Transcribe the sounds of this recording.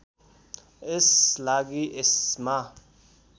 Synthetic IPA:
ɪslaːɡiʔɪsma

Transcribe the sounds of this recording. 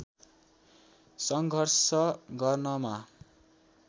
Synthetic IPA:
sʌŋɡʱʌrsʌɡʌrnʌma

